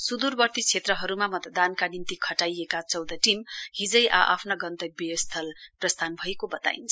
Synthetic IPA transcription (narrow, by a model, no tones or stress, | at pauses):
sud̪urbʌrt̪it͡sʰet̪rʌɦʌɾumamʌt̪d̪ankanint̪ikʰʌʈajekat͡sʌwd̪ʌʈimɦid͡zʌjʔa̰ʔa̰pʰnaɡʌnt̪ʌk̚best̪ʰʌlprʌst̪ʰanbʱʌekobʌt̪a̰ḭnt͡sʰʌ